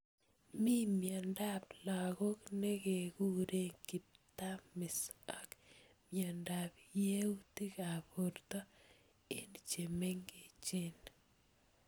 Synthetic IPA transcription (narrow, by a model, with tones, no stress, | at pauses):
mi˦mjanda˦pla˨ɣo˦kne˦ke˨ku˦ɾe˦ŋkɪ˨p̚t̪amɪ˨sak | mjandapje˦u˦ti˦ka˨boɾt̪a˦ | ḛ˦nt͡ʃeme˦ŋɡe˨t͡ʃe˦n